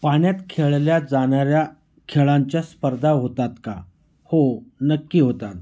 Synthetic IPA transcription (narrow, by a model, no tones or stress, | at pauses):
paɳjat̪kʰeɭljad͡zaɳaɾja | kʰeɭaɲt͡ɕjaspəɾd̪ʱaɦot̪at̪ka̰ | honəkːiːɦot̪at̪